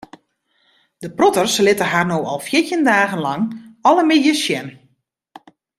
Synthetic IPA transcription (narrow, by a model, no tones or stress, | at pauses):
dəprɔtərslɪtəɦarnowɔ̰lˠfjɪtəndaːɣənlɑŋɔlˠəmɪdjəsjɛn